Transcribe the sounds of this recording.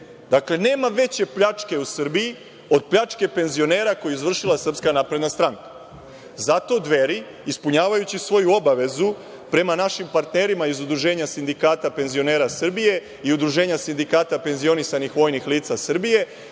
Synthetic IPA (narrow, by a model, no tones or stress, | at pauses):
d̪akle̞ne̞ːmaʋe̞t͡ɕe̞pʎat͡ʂke̞usr̩biji | o̞d̪̚pʎat͡ʃke̞pe̞nzio̞ne̞ːɾako̞jiizʋr̩ʃilˠasr̩pskanapɾe̞d̪nast̪ɾaŋkḁ | zat̪o̞d̪ʋe̞ɾi | ispuɲaːʋajut͡ɕisʋo̞juo̞baʋe̞zu | pɾe̞manaʃimpaɾt̪ne̞ɾimaizud̪ɾuʒe̞ːɲasind̪ikaːt̪ape̞nzio̞ne̞ːɾasr̩bije̞ | iud̪ɾuʒe̞ːɲasind̪ikaːt̪ape̞nzio̞nisanixʋo̞jnixliːt̪sasr̩bije̞